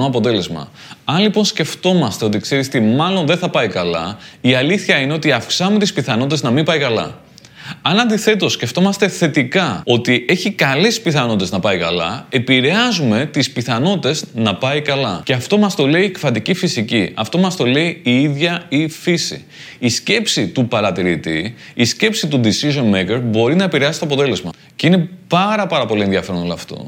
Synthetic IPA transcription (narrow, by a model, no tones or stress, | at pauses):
oɐpo̞t̪e̞le̞zmɐ̰ | ɐnlipo̞nsce̞ft̪o̞mɐst̪e̞o̞t̪ikse̞ɾisot̪imɐlo̞nðe̞nθɐpɐikɐlɐ̰iɐliθçɐine̞o̞t̪iɐfksɐume̞t̪ispiθɐnoit̪e̞znɐmimpɐikɐlɐ̰ | ɐnɐnd̪iθe̞t̪o̞sceft̪o̞mɐst̪e̞θe̞t̪ikɐo̞t̪iʔe̞çikɐlespiθɐno̞t̪t̪e̞znɐpɐikɐlɐ̰e̞piɾe̞ɐzume̞t̪ispiθɐno̞t̪it̪e̞znɐpɐikɐlɐce̞ɐft̪o̞mɐst̪o̞le̞iekfɐt̪icifisiciɐft̪o̞mɐst̪o̞le̞iiiðʝɐifisḭː | sce̞psit̪upɐɾɐt̪iɾit̪i | isce̞psit̪ud̪isiʒo̞nmekeɾbo̞ɾinɐe̞piɾeɐsi̥t̪oɐpo̞t̪e̞le̞zmɐ | ceine̞pɐɾɐpɐɾɐpo̞lienðʝɐfe̞ɾo̞nolɐft̪o̞̰